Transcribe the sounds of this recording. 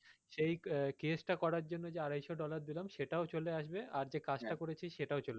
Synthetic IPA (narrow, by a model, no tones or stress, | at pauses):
ʃejkesʈakɔɾaɾd͡ʑonːod͡ʑeaɾajʃoɖɔlaɾd̪ilamʃeʈaot͡ɕoleaʃbeʔaɾd͡ʑekad͡ʑʈakoɾet͡ɕʰiʃeʈaot͡ɕole